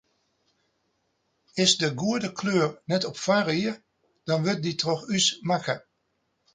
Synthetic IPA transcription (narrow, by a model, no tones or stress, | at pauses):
ɪsdəɡuədəkʰløːrnɛtɔpfariər | d̥ɔnʋɪt̚ditrɔxysmakə